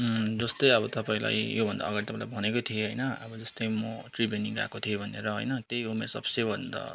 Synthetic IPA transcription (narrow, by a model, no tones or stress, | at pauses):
d͡zʌst̪ʌjʌbʌt̪ʌpaĩla̰jjobʱʌnd̪a̰ːɡaɽit̪ʌpãĩla̰bʱʌnekot̪ʰieɦʌjnʌʌ̰bʌd͡zʌst̪ʌjmʌʈribjʌniɡa̰kot̪ʰiebʱʌneɾʌɦʌ̰jnʌt̪ejumersʌ̰bsebʱʌnd̪ʌ̰